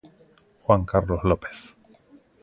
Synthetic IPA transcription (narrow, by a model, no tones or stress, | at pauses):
xwaŋkaɾlozlopeθ